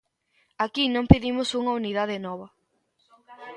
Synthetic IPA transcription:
akinõmpeðimʊsuŋɐuniðað̞ɪnɔβ̞ɐ

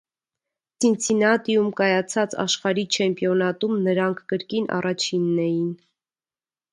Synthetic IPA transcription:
sint͡sʰinɑt̪ijumkɑjɑt͡sʰɑt͡sɑ̰ʃχɑɾit͡ʃʰɛmpjɔnɑt̪umnəɾɑŋkʰkəɾkinʔɑ̰rɑt͡ʃʰinːɛjin

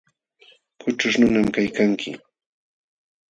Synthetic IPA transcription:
kʊʈ͡ʂʊʃnʊnamkajkaŋkʰɪ̰

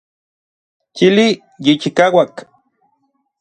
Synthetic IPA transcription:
t͡ʃili | jit͡ʃikawak

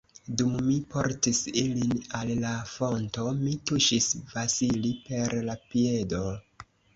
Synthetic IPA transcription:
dumːipo̞ɾtisilinalːafo̞nto̞mituʃisvasilipe̞ɾlapie̞do̞

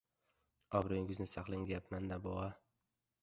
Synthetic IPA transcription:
ɒbɾojɪŋɡɪznɪsaqlˠɪŋd̪ejapmand̪abɒʁa

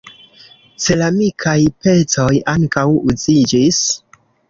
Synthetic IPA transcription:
se̞lamikʰajpe̞t͡so̞jaŋkawuzid͡ʒis

